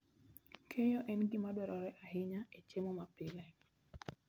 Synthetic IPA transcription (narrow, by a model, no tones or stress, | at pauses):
kʰejoʔɛnɡimadwɛɾɔɾɛʔahɪɲaet͡ʃemomapɪlɛ